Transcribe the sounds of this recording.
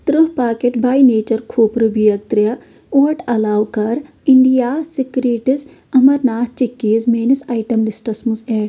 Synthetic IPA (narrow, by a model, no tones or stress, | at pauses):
t̪ɾuɦpaːkeʈbaːjneːt͡ʃɐɾkʰuːpɾɨbijɐk̚t̪ɾjɐ | uːɐʈɐlaːwkɐɾ | iɳɖijaːsikɾiːʈis | ɐmɐɾnaːt̪t͡ʃikːeːzmeːnisajʈɐmlisʈɐsmuzeːɖ